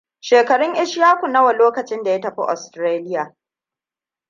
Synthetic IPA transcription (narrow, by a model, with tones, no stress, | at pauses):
ʃeː˨kɐ˨ɽʊ˦ŋʔɪ˦ʃjaː˦kʷu˨nɐ˦wɐ˨loː˦kɐ˨t͡ʃɪ˦nda˨jɐ˦tɐ˨ɸḭ˦ʔɔ̰˨stɾeː˦lɪ˦jaː˨